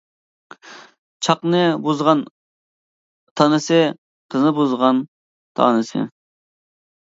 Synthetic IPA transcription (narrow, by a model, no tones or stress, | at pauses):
t͡ʃʰɑqnɨbuzʁɑn | t̪ʰɑnɨsɨ | qʰəznɨbuzʁɑn | t̪ʰɑ̰nɨsɨ̰